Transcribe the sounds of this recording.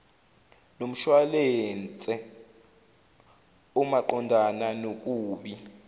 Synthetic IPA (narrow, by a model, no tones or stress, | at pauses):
nom̩ʃwalent͡sʼɛ | umaǃɔndʱananokʼuːɓi